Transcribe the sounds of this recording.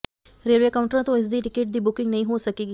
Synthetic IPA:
ɾelʋekawũɳʈəɾãt̪oes̬d̪iːʈikeːʈ̚d̪iːbukiŋɡnɐĩɦosəkiɡ

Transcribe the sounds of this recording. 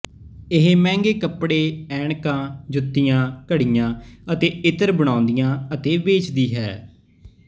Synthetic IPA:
ɪɦemɛ̃ːŋɡeːkəpɽeːɛːɳkãːd͡ʒʊt̪ːɪjãːkəɽɪjãːət̪eːɪt̪əɾbəɽ̃ãːʊnd̪ijãːət̪eːʋeːt͡ʃd̪iːɦɛː

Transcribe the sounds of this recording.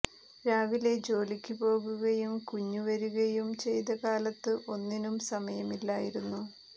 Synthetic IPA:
ɾaːʋile̞d͡ʑo̞ːlikʲːupo̞ːɣuɣɐjumkuɲːuʋɐɾuɣɐjumt͡ɕe̞jt̪ɐkaːlɐt̪ːɨʔo̞nːinumsɐmɐjɐmilːaːjiɾunːu

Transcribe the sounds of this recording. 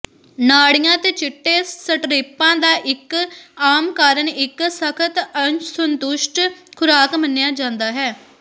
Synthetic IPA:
naːɽɪjãːt̪eːt͡ʃɪʈːeːsəʈɾeːpãːd̪aːʔɪkaːmkaːɾəɳɪksəkʰət̪əsənt̪ʊʃʈkʰʊɾaːkmənejaːd͡ʒãːnd̪aːɦɛː

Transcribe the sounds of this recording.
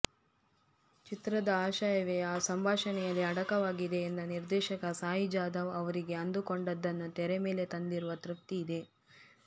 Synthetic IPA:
t͡ʃit̪ɾɐd̪ɐaːʃaːjɐʋɛjɐaːsɐmbʱaːʃɐnɛjɐlːiɐɽɐkɐʋaːɡid̪e̞ːnd̪ɐniɾd̪ɛːʃɐkɐsaːɦid͡ʒaːd̪ɐʋɐʋɐɾiɡe̞ɐnd̪ukoɳɖɐd̪ːɐnːut̪ɛɾeme̞ːle̞t̪ɐnd̪iɾuʋɐt̪ɾuft̪iːd̪e̞

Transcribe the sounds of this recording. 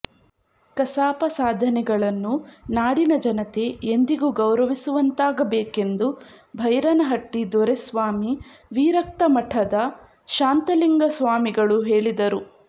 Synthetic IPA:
kɐsaːpɐsaːd̪ʱɐnɛɡɐɭɐnːunaːɽinɐd͡ʒɐnɐt̪e̞ʔend̪iɡuɡɐwɾɐʋisuʋɐnt̪aːɡɐbeːke̞nd̪u | bʱɐjɾɐnɐɦɐʈːid̪ɔɾesʋaːmiʋiːɾɐk̚t̪ɐmɐʈʰɐd̪ɐ | ʃaːnt̪ɐliŋɡɐsʋaːmiɡɐɭuɦe̞ːɭid̪ɐɾu

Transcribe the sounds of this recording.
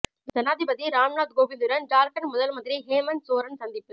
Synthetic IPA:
d͡ʒɐnaːðɪbɐðiɾaːmɳaːd̪ɡoːʋɪnd̪ɯɾɐnɖaːɾkɐnmʊðɐlmɐðɪɾiɦeːmɐnsoːɾɐnsɐnd̪ɪpːɯ

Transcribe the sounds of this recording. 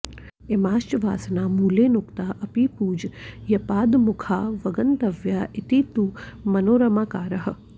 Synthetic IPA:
emaːʃt͡ʃʋa̰ːsnamuːlenʊkt̪aʔɐpipuːd͡ʒjɐpaːd̪mʊkʰaʋɐɡənt̪əʋjaʔɪt̪iːt̪umɐnoːɾəmakaːɾəɦə̆

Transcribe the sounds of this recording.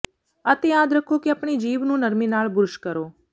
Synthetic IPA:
ət̪ejaːd̪ɾəkʰokeəpɳid͡ʒiːʋnũnəɾminaːɭbʊɾʊʃkəɾoː

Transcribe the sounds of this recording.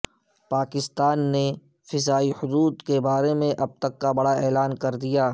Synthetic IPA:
paːkɪst̪aːnːe | fɪzaːihʊd̪uːd̪kebaːɾemẽʔɐb̚t̪ɐkːabɐɽaɛːlaːnkɐɾd̪ijaː

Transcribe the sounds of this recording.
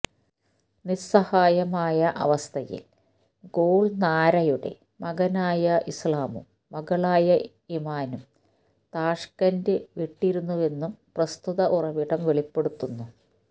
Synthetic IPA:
nisɐhaːjɐmaːjɐʔɐ̰ʋɐst̪ʰɐjḭl | ɡoːɭnaːɾɐjuɽe̞̰ | mɐɣɐnaːjɐʔislaːmṵmːɐɣɐɭaːjɐ | imaːnum | t̪aːʂkɐndeʋiʈːiɾunːuʋe̞nːumprɐst̪uðɐʔurɐʋiɽɐmʋeɭipːe̞ɽut̪ːunːu

